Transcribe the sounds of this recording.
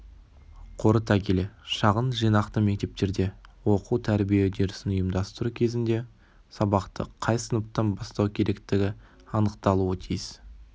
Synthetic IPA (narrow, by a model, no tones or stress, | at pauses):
qʰo̞ɾət̪ʰɑkʲʰeleʃɑʁənʒijnɑqt̪əme̞k̚t̪e̞p̚t̪e̞ɾd̪e̞wo̞quwt̪ʰæɾbijed̪eɾɪsɪnʊjəmd̪ɑst̪əɾukʲʰe̞zɪnd̪e̞ | sɑbɑqt̪ə̰qʰɑjsənəp̚t̪ɑnbɑst̪ɑwkʲʰe̞ɾʔe̞kt̪ɪɡʲɪ | ɑnəqt̪ɑlˠuət̪ʰijɪs